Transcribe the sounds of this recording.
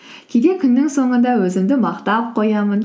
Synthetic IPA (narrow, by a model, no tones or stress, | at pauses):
kʲʰed̪e̞kʲʰʏnːɪŋso̞ɴənd̪ɑwɵzɪmd̪ɪmɑqt̪ɑp̚qʰojɑmən